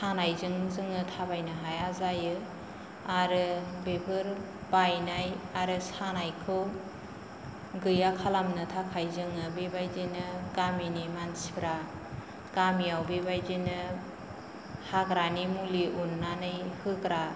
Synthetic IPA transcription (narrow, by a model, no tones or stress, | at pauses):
sanajzɯŋzɯŋɯtʰabajnɯɦajazajɯ | aɾɯbebɯɾ | bajnajaɾɯsanajkʰɯw | ɡɯjakʰalamnɯtʰakʰajzɯŋɯbebajzinɯɡaminimansibɾa | ɡ̥amiawbebajzinɯ | haɡɾanimuliʔunːanɯjhɯɡɾa